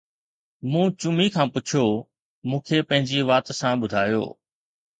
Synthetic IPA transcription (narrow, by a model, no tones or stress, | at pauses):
mũːt͡ɕʊmikʰãːpʊt͡ɕʰjo | mũːkʰepɐ̃ɦɪ̃ɲd͡ʑiʋaːt̪sãɓʊd̪ʱaːjo̰ː